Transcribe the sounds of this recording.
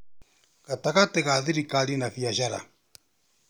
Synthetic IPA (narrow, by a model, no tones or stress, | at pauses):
kat̪akat̪ɛkaðiɾikalinafiaʃaɾa̰